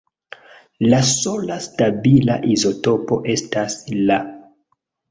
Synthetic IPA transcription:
laso̞lastabila̰ʔizo̞to̞po̞ʔe̞stasla

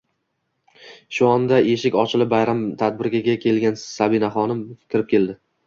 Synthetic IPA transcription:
ʃʊɒnd̪ae̞ʃɪkʲɒt͡ʃʰɪlɪbajɾamt̪ʰad̪̚bɪɾɡʲaɡʲakʲʰe̞lɡʲansabɪnaχɒnɪmkʲʰɪɾɪp̚kʲʰe̞lˠd̪ɪ

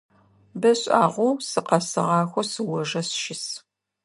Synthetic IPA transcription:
bɐɕʼaːʁʷusɨqɐsɨʁɑːxʷɔsɨwɔʒɐsʃɪs

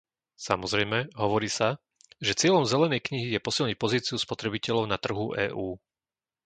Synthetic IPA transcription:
samɔzɾɛjmɛɦɔʋɔɾiːsa | ʒɛt͡sɪɛʎɔmzɛlɛnɛjkɲiɦijɛpɔsilˠɲic̚pɔziːt͡siuspɔt̪ɾɛbicɛʎɔʊnat̪r̩ɦuʔɛ̰ːʔuː

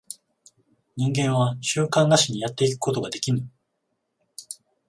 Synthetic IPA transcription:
ɲĩŋɡẽ̞ɰ̃βaɕɨːkãnːaɕiɲ̟ijat̪ːe̞ikɯ̟̥ko̞t̪o̞ɡad̪e̞kʲinɯ

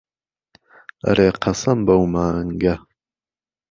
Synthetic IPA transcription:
ɐ̰ɾeːqʰɐsɐmbɐwmaːŋɡɐ

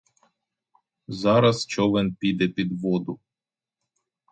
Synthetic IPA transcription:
zɑɾɐst͡ʃɔʋɛnpʲid̪ɛpʲid̪ʋɔd̪ʊ

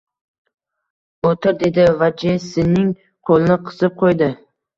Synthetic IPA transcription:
ot̪ʰɪɾd̪e̞d̪ɪvad͡ʒesɪnɪŋ | qʰolˠɪnɪqʰɨ̥zɪp̚qʰojd̪ɪ

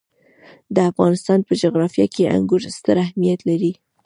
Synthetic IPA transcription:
d̪əafɣɑnɪst̪ɑnpəd͡ʒoɣɾɑfjɑkeʔa̰ŋɡʊɾst̪əɾahmijat̪laɾi

